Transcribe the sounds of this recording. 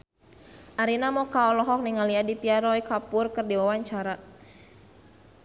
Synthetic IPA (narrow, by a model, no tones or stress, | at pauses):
ʔaɾinamɔkaɔlɔɦɔk̚niŋaliadit̪iaɾɔikapʊrkɨrdiwawaɲt͡ʃaɾa